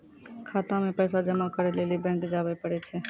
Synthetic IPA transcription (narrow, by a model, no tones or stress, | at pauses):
kʰaːt̪ãmẽpɛːsad͡ʒəmakəɾeleːlibɛ̃ŋkd͡ʒaːbepəɽɛt͡ʃʰɛ